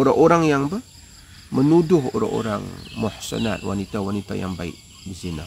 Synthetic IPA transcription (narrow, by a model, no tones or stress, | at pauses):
oɾaʔoɾaŋjaŋbə | mənudʊɦo̰ɾa̰ŋo̰ɾa̰ŋmʊħsə̰na̰t̪̚wa̰nit̪awanit̪a̰ja̰ŋbaḭʔ | bizina